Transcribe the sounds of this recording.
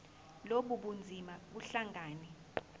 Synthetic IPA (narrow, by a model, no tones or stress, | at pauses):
loɓuɓund͡zʱimaɓuɬaŋaːnɛ